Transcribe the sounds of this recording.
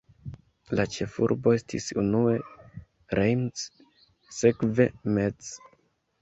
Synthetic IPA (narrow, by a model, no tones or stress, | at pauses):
lat͡ʃe̞fṵɾbo̞e̞stʰḭsunue̞ | ɾejms | se̞kve̞me̞z